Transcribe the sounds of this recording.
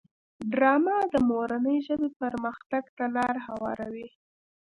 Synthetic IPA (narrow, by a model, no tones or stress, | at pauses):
ɖɾɑmad̪əmoɾanəjʒəbepəɾməxt̪aɡt̪alɑɾhawɑ̰ɾawi